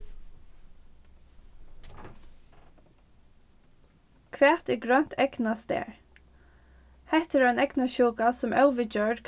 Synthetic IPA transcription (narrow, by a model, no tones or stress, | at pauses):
kʰʋɛːt̪ɪɡɹœn̥t̪ʰɛɡnast̪ḛːɹ | hɛht̪ɪɾaɪnɛknaʃuːkasʊmʔœlʋɪd͡ʒœːdkʰ